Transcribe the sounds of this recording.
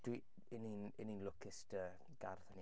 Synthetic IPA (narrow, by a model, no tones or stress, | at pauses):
d̥wi | ɪninɪninlʊkʰɪstə | ɡ̥arθəni